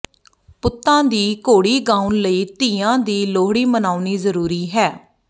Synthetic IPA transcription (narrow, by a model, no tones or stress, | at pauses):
pʊt̪ːãːd̪iːkoːɽiːɡaːunləiːt̪ĩːãːd̪iːloːɽiːmənaːuʊniːzəɾuːɾiːɦɛː